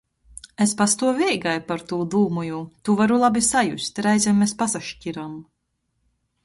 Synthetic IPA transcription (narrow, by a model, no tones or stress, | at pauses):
espast̪uɔvʲɛjɡajpaɾt̪uːd̪uːmujut̪uvaɾulˠabʲisajusʲt̪ʲɾajzʲɛmːespasaʃcʲiɾam